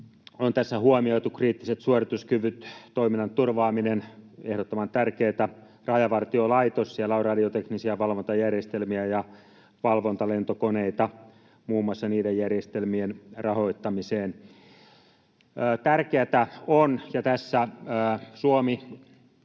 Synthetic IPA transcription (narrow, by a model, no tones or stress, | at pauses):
ont̪æsːæhuomioit̪ukriːt̪ːiset̪suorit̪uskyʋyt̪t̪oiminːɑnt̪urʋɑːminenḛhɾot̪ːomɑnt̪ærkeːt̪æ | rɑjɑʋɑrt̪iolɑit̪ossiælːæorɑdiot̪eknisiæʋɑlʋont̪ɑjærjest̪elmiæjɑ | ʋɑlʋont̪ɑlent̪okoneit̪ɑ | muːmːɑsːɑniːdejjærjest̪elmienrɑho̞it̪ːɑmiseːn | t̪ærkeæt̪æonjɑt̪æsːæ | suomi